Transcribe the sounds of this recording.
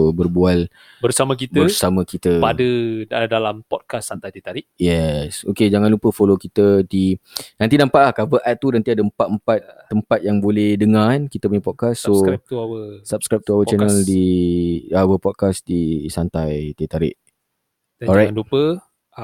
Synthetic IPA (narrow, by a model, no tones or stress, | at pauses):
obərbual | bərsamə̃kitb̪əbərsamə̃kit̪əpadədalampɔt̚kasːant̪ajt̪at̪aɾiʔ̚jɛsoked͡ʒaŋãnlupəfolokit̪ədinant̪inãmpaʔlahkavəʔɛt̪̚ːunãnt̪iadəəmpat̪̚əmpat̪̚ːəmpat̪̚jaŋbolɛhdəŋãnkit̪əp̬uɲəpɔt̚kasːot̪uawəsap̚skɾap̚t̪uawət͡ʃɛnəldi | awəpɔt̚kasdisant̪ajt̪at̪aɾɪ̰ʔ̚ | ɛɔɾajanlupə